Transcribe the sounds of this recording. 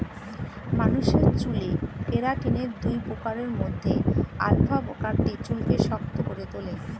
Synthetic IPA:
manuʃeɾt͡ɕulepeɾaʈineɾd̪ujpokaɾeɾmod̪ʱːea̰lbʱabkaɾʈit͡ɕulkeʃɔkt̪okoɾet̪ole

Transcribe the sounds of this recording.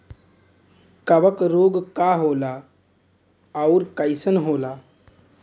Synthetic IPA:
kəbəkɾoːɡkaɦoːla | ʊɾkəjɪsənɦoːlaː

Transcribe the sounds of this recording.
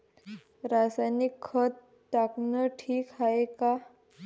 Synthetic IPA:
ɾasajnikʰːət̪ | t̪aknəʈʰiːkɦaeka

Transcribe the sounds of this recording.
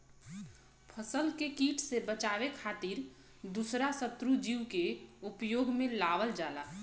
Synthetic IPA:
pʰəsəlkekiːʈʰsebət͡ʃaːʋekʰaːt̪iɾ | d̪usɾasət̪ɾud͡ʒiwkeʊpjoːɡmẽlaːʋəld͡ʒaːla

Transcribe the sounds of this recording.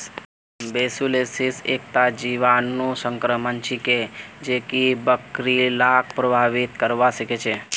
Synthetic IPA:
besulesisek̚t̪ad͡ʒiʋanːũsəŋkɾəmənt͡ʃiked͡ʒekibəkɾilak̚ʰpɾəbʱaʋit̪kəɾʋaʃəket͡ʃʰe

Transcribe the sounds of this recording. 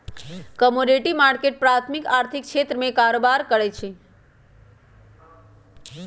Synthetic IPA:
kəmoɖeʈimaɾkeʈ̚pɾat̪ʰmikaɾt̪ʰik̚kʃʰet̪ɾəmẽkaɾobaɾkəɾet͡ʃʰe

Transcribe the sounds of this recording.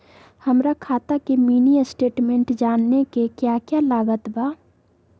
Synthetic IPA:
həmɾakʰaːt̪akemiːniəsʈeːʈmẽɳʈd͡ʒaːnːekekjaːkjalaːɡət̪baː

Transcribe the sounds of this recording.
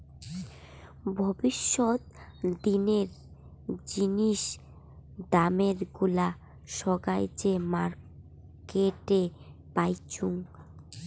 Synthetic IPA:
bʱɔbiʃːot̪̚d̪ineɾ | d͡ʑiniʃ | d̪ameɾɡula | ʃɔɡajt͡ɕemaɾ | keʈe | pajt͡ɕʰuŋ

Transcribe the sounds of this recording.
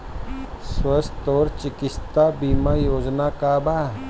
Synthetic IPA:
swəst̪oːɾt͡ʃɪkɪst̪abiːmajoːd͡ʒnakaːbaː

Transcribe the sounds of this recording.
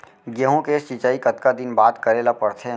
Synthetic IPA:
ɡjəɦõket͡ʃit͡ʃaːikɐt̪kad̪ɪnbaːd̪kəɾeːlapɐɽt̪ʰeː

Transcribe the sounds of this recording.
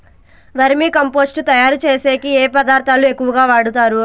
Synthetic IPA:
ʋɐɾimiːkɐmpo̞ːsʈut̪ɐjaːɾut͡ʃe̞ːse̞ːkieːpɐd̪aːɾt̪ʰaːlue̞kːuʋɐɡaːʋaːɽut̪aːɾu

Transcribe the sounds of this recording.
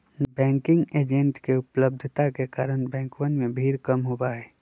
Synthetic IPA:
bɛ̃ːŋkɪ̃ŋɡeːd͡ʒẽɳʈkeʊpləbd̪ʱt̪akekaːɾənbɛ̃ːŋkʋənmẽbʱiːɾkəmɦobaɦɛː

